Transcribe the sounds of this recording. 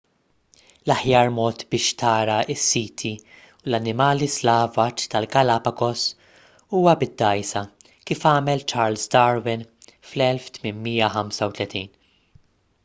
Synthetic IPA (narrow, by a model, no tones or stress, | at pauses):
lɐħjɐːɾmɔːt̪bɪːʃt̪ɐːɾɐɪsːiːt̪ʰi | ulɐnːɪmɐːlislɐːvɐt͡ʃt̪ɐlɡɐlɐːpɐkɔs | uːwɐbɪd̪ːɐjsɐ | kiːfɐːmɛlt͡ʃɐːɾlsd̪ɐːɾwɪn | flɛlft̪mɪnmiːjɐħɐmsɐwt̪lɛt̪iːn